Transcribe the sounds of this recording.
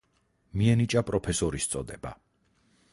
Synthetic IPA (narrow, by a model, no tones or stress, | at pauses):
miɛnit͡ʃʼapʼɾɔpʰɛsɔɾist̪sʼɔd̪ɛba̰